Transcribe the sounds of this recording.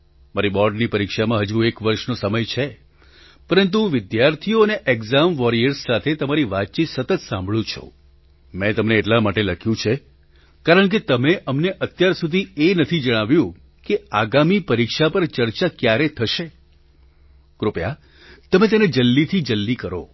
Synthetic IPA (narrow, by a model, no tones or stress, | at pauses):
maɾibɔɾɖnipəɾikʃamãɦəd͡ʒũekʋəɾʃnosəməjt͡ʃʰe | pəɾənt̪̬uʋɪd̪jaɾt̪ʰijoəneʔeɡzamʋɔɾiəɾsːat̪ʰet̪əmaɾiʋat̪̚t͡ʃit̪sət̪ət̪sãmbʱɭũt͡ʃʰo̰ | mɛ̃t̪əmneːʈlamaʈeləkʰjũt͡ʃʰe | kaɾəɳk̬et̪əmeʔəmneʔət̪jaɾsud̪ʱienət̪ʰid͡ʒəɽ̃aʋjũ | keaɡamipəɾikʃapəɾt͡ʃəɾt͡ʃakjaɾet̪ʰəʃe | kɾopja̰ | t̪əmet̪̬ened͡ʒəlːit̪ʰid͡ʒəlːikəɾo̰